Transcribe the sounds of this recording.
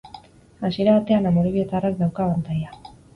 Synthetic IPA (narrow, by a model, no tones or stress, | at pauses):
asie̞ɾaβat̪e̞anamoɾiβie̞t̪arak̚d̪awkaβant̪aja